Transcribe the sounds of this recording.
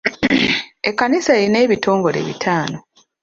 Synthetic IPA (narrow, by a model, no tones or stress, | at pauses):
ekːanisaeɾine̞ːβito̞ːŋɡo̞ɾe̞̰βḭtʰaːno̞